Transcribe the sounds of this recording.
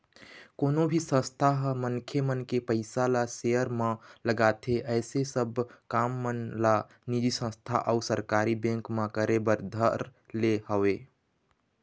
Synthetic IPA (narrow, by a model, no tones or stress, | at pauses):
koːnobʱisə̃st̪ʰaɦməŋkʰjemənkepəɪsalasejəɾmãləɡat̪ʰeʔɛɪsesəbʱkaːmːənla | nid͡ʒisə̃st̪ʰa̰ʔəʊsəɾkaɾibẽŋkmãkəɾebəɾd̪ʱəɾlehəwe